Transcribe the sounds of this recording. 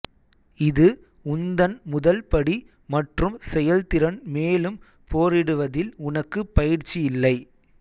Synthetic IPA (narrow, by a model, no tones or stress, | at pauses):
ɪðɯ | ʊnd̪ɐnmʊðɐlpɐɽi | mɐʈrɯmsɛjɐlt̪ɪɾɐnmeːlɯm | poːɾɪɽɯʋɐðɪlʊnɐkːɯpɐjɪɾt͡ʃːijɪlːɐɪ